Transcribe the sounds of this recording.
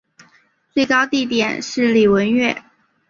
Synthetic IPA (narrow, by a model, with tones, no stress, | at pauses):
t͡swe˥˩ɪkɑ˥ʊt̪i˥˩t̪jɛ˨˩nʂɻ̩˥˩li˨˩wə˧˥nɥɛ̰˥˩